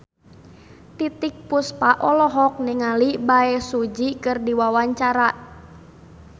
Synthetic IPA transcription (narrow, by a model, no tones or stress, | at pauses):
t̪it̪ik̚puspaʔɔlɔɦɔk̚niŋalibaɛsud͡ʒikɨrdiwawaɲt͡ʃaɾa